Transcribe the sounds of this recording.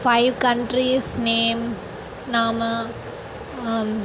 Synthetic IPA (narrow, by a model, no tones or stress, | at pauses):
faɪʋkɐɳʈɾisneːm | naːmɐ